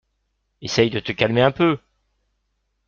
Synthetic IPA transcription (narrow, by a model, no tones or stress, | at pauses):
esɛjd̪ət̪əkʲalmeɛ̃pø